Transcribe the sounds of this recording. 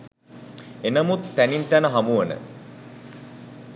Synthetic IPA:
enəmut̪ːænint̪ænəɦamuʋənə̰

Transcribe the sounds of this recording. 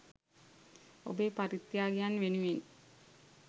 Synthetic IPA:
o̰beːpaɾit̪ːjaːɡijanːʋenuʋen

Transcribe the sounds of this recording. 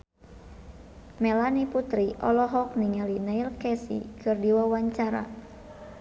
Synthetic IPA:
mɛlaniput̪ɾiʔɔlɔɦɔk̚niŋalinailkɛsḭkɨrdiwawaɲt͡ʃaɾa̰

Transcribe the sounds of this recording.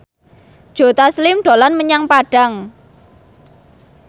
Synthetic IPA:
d̥ʒ̥o̤t̪aslɪmɖ̥o̤lanməɲaŋpaɖ̥a̤ŋ

